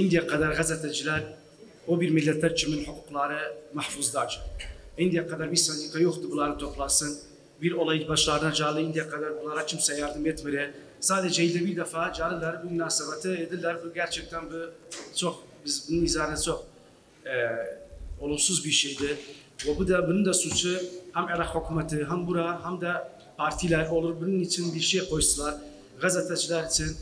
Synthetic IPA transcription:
ind̪ijaqʰɛd̪æɾɣɛzɛt̪ʰɛd͡ʒilɛɾ | obiɾmɨlːɛt̪lɛɾt͡ʃʰɪmɨnħʊquqlˠɑːɾɨmaħfuzd̪ɑːt͡ʃʰind̪ijaqʰɛd̪aɾbisɛnd̪ikʰajoχt̪ɨbɨlˠɑːɾɨt̪ʰoplˠɑːsɨn | biɾolˠɛjibɑʃlˠɑːɾɨnad͡ʒaːlˠɨind̪ijaqʰɑd̪aɾbulˠɑːɾat͡ʃʰɨmsɛjɑɾd̪ɨmɛt̪mɨɾɛ | saːd̪ɛd͡ʒɛild̪ɛbiɾd̪ɛfad͡ʒaːlˠɨlaɾɨbɨmɨnaːsɛbɛt̪ʰɨed̪ɨlaɾbɨɡæɾt͡ʃʰɛk̚t̪ʰɛnbɨt͡ʃʰok̚bizbununizaːɾɯnt͡ʃʰok̚ | ɛ | o̞lˠumsuzbiɾʃejd̪ɪ | vɛbud̪abunund̪asut͡ʃʰuhæmelaxho̞kʰumat̪ʰɯɦambuɾaɦamd̪a | pʰaɾt̪ʰilʲæɾo̞lˠuɾbununit͡ʃʰinbiɾʃijɛkʰo̞jsɯlˠaɾ | ɡazat̪ʰat͡ʃʰilˠaɾit͡ʃʰin

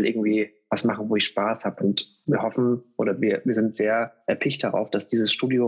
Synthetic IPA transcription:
lʔɪɐɡŋ̩tv̥iː | vasmaχn̩voːɪçʃpaːshaːbəʊnt | viːɐɦɔfn̩ʔoːɾɐviːɐviːɐzɪntz̥eːɐʔɛɐpʰɪçt̚d̥aʁa̰ʊfd̥asd̥iːzəsʃtuːdjo

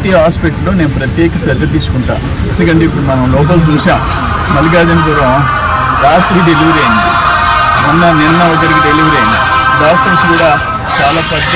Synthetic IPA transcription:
t̪iːaːspek̚ʈloːneːnupɾɐt̪jɛːkɐsɐd̪ʱːɐt̪̬iːsu̥kuɳʈa̰ː | end̪ukɐɳɖeipːuɽumɐnɐmlɔːp̬ɐlt͡ʃuːʃaːm | mɐlːiɡaːd̪ɐniɡɐɾɐ | ɾaːt̪ɾiɖe̞liʋɐɾeːnːi | nunːɐninːɐɔɡɐɾikiɖeliʋɐɾeːni | ɖaːk̚ʈɐɾsɡuːɽaː | t͡ʃaːlaːpɐ

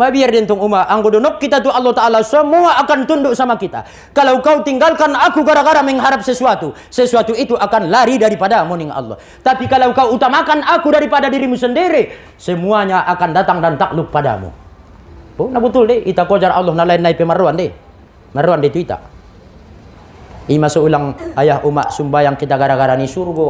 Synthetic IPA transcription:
mabiardɛnt̪ɔŋumaʔaŋɡodɔnɔkːit̪at̪ualːɔht̪aʔalasəmuaʔːkant̪unduʔsamakit̪a̰ | kalaukaut̪iŋɡalkanakuɡaɾaɡaɾamɛŋɦaɾap̚səsuat̪u | sɛsuat̪uit̪uʔakanlaɾidaɾipadamuniŋʔa̰lːɔ̰h | t̪apikalaukauːt̪amakanakudaɾipadadiɾimusəndiɾi | səmuaɲaʔakandat̪aŋdant̪ak̚luk̚pada̰mṵ | bonabət̪uldɛit̪akɔd͡ʒarʔa̰lˠːɔhnalainːaipɛmaroandɛ | maroandɛt̪uit̪a̰ | imasɔulaŋajahumaʔsumbajaŋkit̪aɡaɾaɡaɾanisurɡɔ

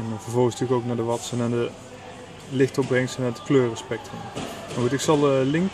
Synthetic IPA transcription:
ɛnvəɹvɔlˠχənstykowknaːɹdəʋɑtsənandə | lɪxtɔbrɛŋsənadə̥kløːrəspɛk̚trəmmaxutɪksɑlˠəlɪŋk

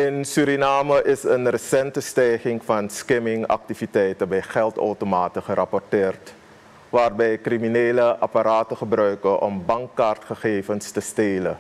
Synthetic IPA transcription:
ɪnsyɾinaːməʔɪsənrəsɛntəstɛjχɪŋfɑnskɛmɪŋɑ̰k̚tifitɛjtəbɛjχɛlˠto̰wtomaːtəχərʔɑpɔrtɪːrt | ʋaːrbɛjkrimineːləʔɑpaɾaːtəχəbrœɥkəʔɔ̰mbɑŋkːaːrtχəχeːfənstəsteːlə

